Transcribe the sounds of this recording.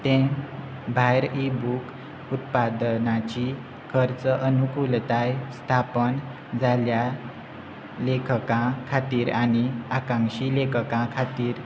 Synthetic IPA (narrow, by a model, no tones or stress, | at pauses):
t̪ẽ | bʱajɾibuk | ut̪pad̪nat͡ɕi | kʰəɾt͡səʔənukult̪ajst̪ʰapən | d͡zalja | lekkãkʰat̪iːɾañiakãŋɕilekəkãkʰat̪iːɾ